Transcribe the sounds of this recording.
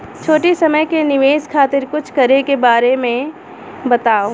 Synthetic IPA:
t͡ʃʰoːʈisɐməjkenɪʋeːskʰaːt̪ɪɾkʊt͡ʃʰkɐɾekebaːɾemẽ | bɐt̪aːo

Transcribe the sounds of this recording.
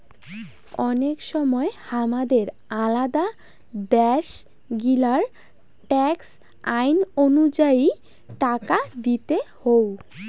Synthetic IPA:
ɔnekʃɔmɔehamad̪eɾ | alad̪a | d̪ɛʃ | ɡilaɾ | ʈɛks | ajnonud͡ʑai | ʈakad̪it̪ehow

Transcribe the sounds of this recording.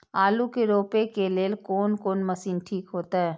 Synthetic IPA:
aːlukeɾoːpekeleːlkoːnkoːnmɐsiːnʈʰiːkɦoːt̪aɦɛː

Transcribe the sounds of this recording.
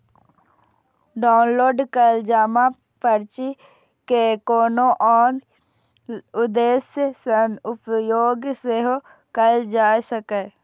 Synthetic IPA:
ɖaːnloːɖkəld͡ʒaːma | pəɾt͡ʃi | kekoːnõʔɔːɾ | ʊd̪eːssənʊpjoːɡseɦo | kəld͡ʒaːjsəkeː

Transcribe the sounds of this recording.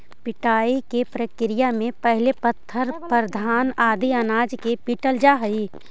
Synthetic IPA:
pɪʈaːikepɾəkɾɪjamẽpəɦlepət̪ʰːəɾpɾd̪ʱaːnaːd̪iənaːd͡ʒkepiʈəld͡ʒaɦɐi

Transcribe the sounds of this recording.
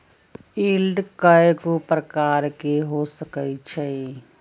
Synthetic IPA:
iːlɖkəekopɾəkaːɾkeɦosəkət͡ʃʰɛ

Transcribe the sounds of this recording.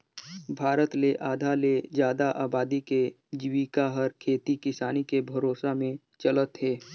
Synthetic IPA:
bʱaːɾət̪leʔaːd̪ʱaled͡ʒjaːd̪aʔaːbaːd̪ike | d͡ʒɪʋikaɦəɾkʰeːt̪ikɪsaːnikebʱɐɾoːsamẽ | t͡ʃələt̪ɦɛː

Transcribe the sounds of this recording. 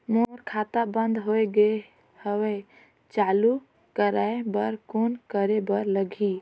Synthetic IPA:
moɾkʰat̪abənd̪ɦoeɡe | həwe | t͡ʃalu | kəɾaebəɾkonkəɾebəɾləɡʱi

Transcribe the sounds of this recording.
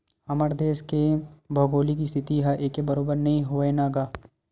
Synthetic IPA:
ɐməɾd̪eːʃkebʱoːɡoːlikist̪ʰɪt̪iɦaʔeːkːebɐɾoːbəɾnɐɦĩɦoenaːɡaː

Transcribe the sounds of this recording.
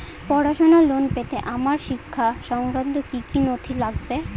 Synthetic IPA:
pɔɾaʃonalonpet̪eʔamaɾʃikʰːaʃɔŋɾad̪ːokikinot̪ʰilaɡbe

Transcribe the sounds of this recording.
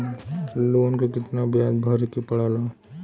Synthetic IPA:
loːnkakɪt̪nabjaːd̪bʱəɾekepɐɽaːla

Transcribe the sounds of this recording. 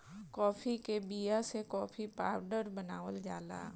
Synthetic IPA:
kɔːpʰikebijasekɔːpʰipaːɾɖəɾbənaːʋəld͡ʒaːla̰ː

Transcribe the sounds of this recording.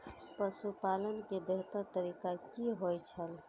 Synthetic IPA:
pəsupalənkebeɦt̪əɾt̪əɾikakiɦojt͡ʃʰəl

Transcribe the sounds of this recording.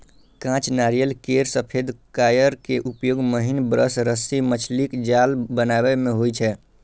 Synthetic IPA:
kãt͡ʃnaɾijəlkeɾsəpʰed̪ʱkajəɾkeʔupjoɡməɦinbɾəsɾəsimət͡ʃʰlikd͡ʒalbənabemeɦojt͡ʃʰɛ

